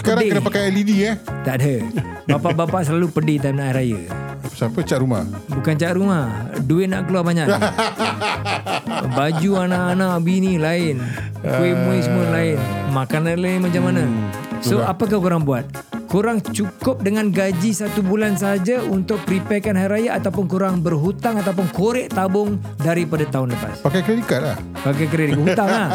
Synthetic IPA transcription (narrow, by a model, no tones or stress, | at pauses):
sə̥kaɾdŋekənapakajalidiat̪aʔdə | bapaʔbapaʔs̬əlalupədit̪amnaʔjɾajə̰pə̥sapət͡ʃaʔɾuma̰hbukant͡ʃaʔ̪ɾumahduɪnaʔkəluarbaɲaʔ | bad͡ʒuanaʔanãʔbinilaɪn | kuimũisəməlaɪnmakananlaimat͡ʃamana | soapak̬ahkuɾaŋbuat̪̚ | kuɾaŋt͡ʃukʊp̚dəŋanɡad͡ʒisat̪ubulans̬aɦad͡ʒaunt̪ʊk̚pəɾipɛkanɦaiɾajaʔat̪awpʊnkuɾaŋbərɦut̪aŋat̪awpʊnkoɾɛʔt̪abʊŋ | daɾipadat̪aɦʊnləpa̰spakajkəɾedikat̪̚la̰h | pak̬ajk̬əɾedikaʔɦuaŋlah